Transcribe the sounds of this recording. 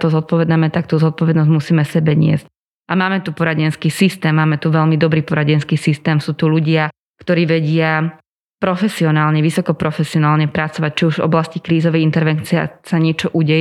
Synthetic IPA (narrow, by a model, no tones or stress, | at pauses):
t̪ɔzɔt̪̚pɔʋɛd̪namɛt̪akt̪uzɔt̪̚pɔʋɛd̪nɔzɟmusiːmɛsɛbɛɲɪɛ̰zc | ʔamaːmɛt̪upɔɾaɟɛnskiːsist̪ɛːmːaːmɛt̪uʋɛʎmid̪ɔbɾiːpɔɾaɟɛnskiːsist̪ɛːmsuːt̪uʎuɟɪa | kt̪ɔɾiːʋɛɟɪa | pɾɔfɛsiɔnaːlɲɛʋisɔkɔpɾɔfɛsiɔnaːlɲɛpɾat͡sɔʋac̚t͡ʃiuʒvɔ̰blascikɾiːzɔʋɛjint̪ɛɾʋɛnt͡siɛsaɲɪɛt͡ʃɔʔuɟɛj